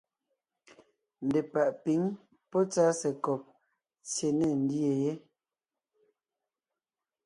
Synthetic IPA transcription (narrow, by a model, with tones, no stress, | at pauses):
n̩˨dɛ˨pa˨ʔpi˨˦ŋ | pɔ˦t͡sa˦sɛ˨kɔ˨p̚ | t͡sje˨nɛ˦˨n̩˦dje˨je˦